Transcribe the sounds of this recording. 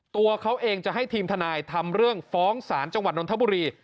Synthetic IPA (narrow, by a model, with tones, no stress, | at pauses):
t̪u˧ɐkʰa˦˥wʔeː˧ŋt͡ɕa˨˩ʔɦa˥˩jt̪ʰiː˧mt̪ʰa˧naː˧jt̪ʰa˧mɾɯ˥˩əŋfɔː˦˥ŋsaː˩˦nt͡ɕa˧ŋa˨˩t̪̚no˧nt̪ʰa˦˥˩buː˧ɾiː˧